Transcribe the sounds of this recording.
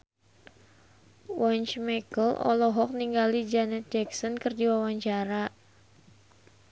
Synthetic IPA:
wɔɲt͡ʃmɛkəlɔ̰lɔɦɔk̚niŋɡalid͡ʒanɛt̪̚d͡ʒɛksɔnkɨrdiwawaɲt͡ʃaɾa

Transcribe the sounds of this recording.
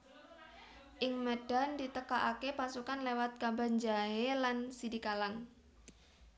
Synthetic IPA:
ʔɪŋməɖ̥a̤ndit̪əkaʔakepasukanlewat̪̚kamband͡ʒaelansidikalaŋ

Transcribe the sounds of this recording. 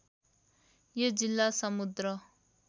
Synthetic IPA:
jʌd͡zilːasʌmud̪ɾʌ

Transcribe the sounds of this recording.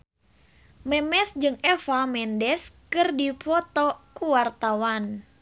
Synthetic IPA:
mɛmɛsd͡ʒɨŋɛfamɛndɛskɨrdifɔt̪ɔkuwart̪awan

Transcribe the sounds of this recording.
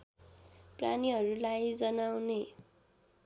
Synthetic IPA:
pra̰niɦʌɾulajd͡zʌnawne

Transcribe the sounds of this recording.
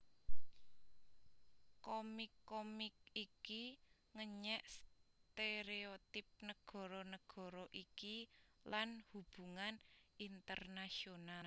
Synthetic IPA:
komikːomɪkiki | ŋəɲɛʔst̪eɾeot̪ɪp̚nəɡ̥ɔ̤ɾɔnəɡ̥ɔ̤ɾɔʔikilanhub̥ṳŋanʔint̪ərnasiona

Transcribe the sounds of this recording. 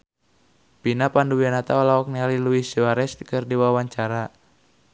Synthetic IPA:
pinapanduwianat̪aɔlaɔk̚nialiluiswaɾɛst̪i̥kɨrdiwawaɲt͡ʃaɾa

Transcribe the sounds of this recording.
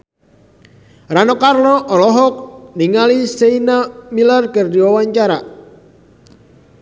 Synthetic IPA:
ranɔkarlɔʔɔlɔɦɔk̚niŋaliseinamilarkərdiwawaɲt͡ʃaɾa

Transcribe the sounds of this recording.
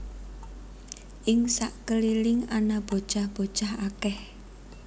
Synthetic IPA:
ʔɪŋsaʔkəlilɪŋanab̥o̤̥ʒ̥ahb̥o̤d̥ʒ̥ahakɛh

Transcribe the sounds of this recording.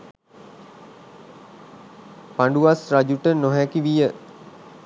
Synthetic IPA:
paɳɖuʋasrad͡ʒuʈənoɦækiʋijə

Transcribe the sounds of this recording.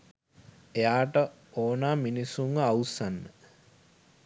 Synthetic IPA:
ejaːʈə | oːnaːminisuŋausanːə

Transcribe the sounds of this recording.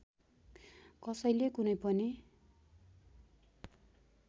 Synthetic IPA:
kʌsʌjlekunʌjpʌne

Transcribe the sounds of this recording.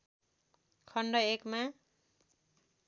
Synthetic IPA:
kʰʌɳɖʌekma

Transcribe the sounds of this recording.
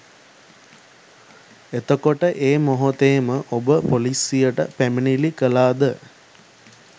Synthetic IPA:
et̪əkoʈəʔeːmoɦot̪eːməʔobəpolisijəʈəpæminilikəlaːd̪ə

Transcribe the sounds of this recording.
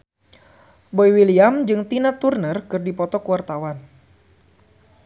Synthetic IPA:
boiwiliamd͡ʒɨŋt̪inat̪urnərkɨrdipɔt̪ɔkuwart̪awan

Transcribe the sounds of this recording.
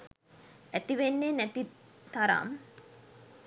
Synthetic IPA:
æt̪iʋenːenæt̪it̪aɾa̰m

